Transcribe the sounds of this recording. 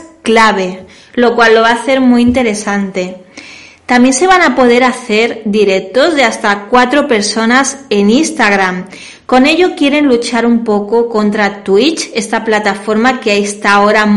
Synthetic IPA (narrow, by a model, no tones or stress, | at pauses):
klaβ̞e̞ | lo̞kwalːo̞β̞aːθe̞ɾmuint̪e̞ɾe̞sant̪e̞ | t̪amje̞nse̞β̞anapo̞ð̞e̞ɾaθe̞ɾd̪iɾe̞k̚t̪o̞zðe̞ast̪akwat̪ɾo̞pe̞ɾso̞nase̞ninst̪aɣɾam | ko̞ne̞ʎo̞kje̞ɾe̞nlut͡ʃaɾumpo̞ko̞ko̞nt̪ɾat̪wit͡ʃe̞st̪aplat̪afo̞ɾmakeaest̪ao̞ɾa